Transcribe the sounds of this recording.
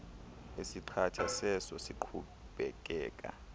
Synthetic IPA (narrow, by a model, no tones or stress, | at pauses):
esiǃʰatʰasɛsɔsiǃʰu | ɓɛk̬ʼɛːkʼa̰